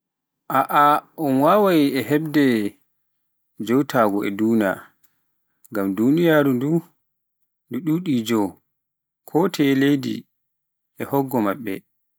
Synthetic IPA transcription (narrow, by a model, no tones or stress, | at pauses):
ʔaʔaʔɔnwawajiɛɦɛb̚dɛ | d͡ʒɔwtʰaːɡɔɛ̰duːna̰ | ŋɡamdunijaːɾundu | nduɗuɗid͡ʒɔw | kʰɔtʰɛlejdḭ | ɛhɔɡːɔmaɓːɛ̰